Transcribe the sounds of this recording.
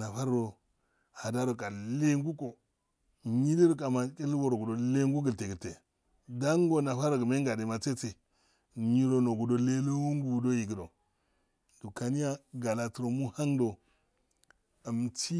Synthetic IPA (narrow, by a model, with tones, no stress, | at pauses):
na˨fa˦ɾo˨ | ha˨da˦ɾo˨kʼa˨le˦ŋɡu˦ko˨ | ɲi˦li˦ɾo˦ka˨ma˨ke˦lwo˦ɾo˨ɡu˨do˨le˦ŋɡu˦ɡə˨lte˨ɡə˨lte˨ | da˦ŋ˦ɡo˦na˨fa˦ɾo˨ɡme˦ŋ˦ɡa˨de˨ma˨t͡se˦t͡se˨ | ɲi˦ɾo˨no˨ɡu˨do˨le˦lo˦wo˦ŋ˦ɡu˨ɡdo˦ji˨ɡi˨do˨ | du˨ka˨ni˦ja˦ɡa˨la˨tu˨ɾo˨mu˦ha˦ŋdo˨ | ə˨m˨ti˦